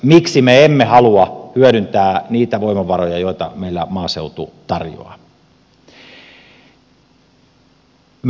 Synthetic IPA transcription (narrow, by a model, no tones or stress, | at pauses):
miksimeemːehɑluɑhyøœɾynt̪æːniːt̪æʋoimɑʋɑrojɑjoit̪ɑ̰meilːæmɑːseut̪ut̪ɑrjo̰ɑ̰ | m